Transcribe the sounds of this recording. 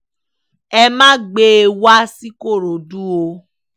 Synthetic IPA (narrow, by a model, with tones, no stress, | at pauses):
ɛ˧mãː˦ɡ͡be˦e˧wa˦si˦ko˦˨ɾo˨du˦o˧